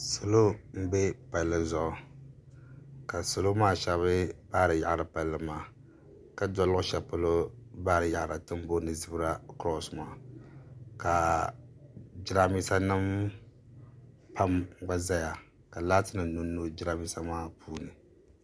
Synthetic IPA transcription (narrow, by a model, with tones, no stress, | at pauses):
so˨lo˦m̩˦be˦pa˨lːɨ˨zɔ˦ʔʊ˨ | ka˨so˨lo˦maː˦ʃa˨βɨ˦b̥aː˦ɾɨ˨ja̰˨ʔɾɨ˨pa˨lːɨ˨maː˦˨ | ka˦dɔ˨lʔʊ˦ʃɛ˨pɨ˦lo˦baː˦ɾɨ˨ja˨ʔɾa˨tɨ˦m˦bo˦nɨ˨zɨ˦bɨ˦ɾa˦kɾɔ˦smaː˨ | ka˨ | d͡ʒɪ˦ɾa˦mi˦sa˦nɨ˦m | pa˦m˦ɡ͡ba˦za˦ja˨ | ka˨laː˦tɨ˦nɨ˨nu˦nːo˦d͡ʒɪ˦ɾa˦mi˦sa˦maː˦pʰuː˦nɨ˨